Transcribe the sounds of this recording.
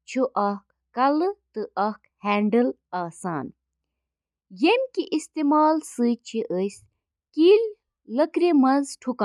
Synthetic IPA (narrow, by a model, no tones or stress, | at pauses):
t͡ʃʰuʔɐkːɐlt̪ɨʔɐhkhɛːɳɖɨlaːsa̰ːn | jemʲkiʔist̪eːmaːlsɨt͡ʃʰiʔəs | kiːlʲ | ləkɾemɐzʈʰuka